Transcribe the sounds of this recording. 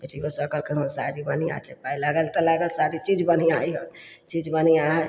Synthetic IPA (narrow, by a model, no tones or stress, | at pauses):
beʈiɡosəkəlkeɦmsaɾibənia̰t͡ʃepailəɡəlt̪ələɡəlsaɾit͡ʃid͡ʒbəniaiɦə | t͡ʃid͡ʒbəniaɦɛ